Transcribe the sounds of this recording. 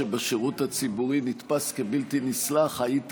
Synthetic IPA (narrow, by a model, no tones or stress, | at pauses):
ebeʃeʁuthat͡sibuʁinit̪paskebiltinislaχhait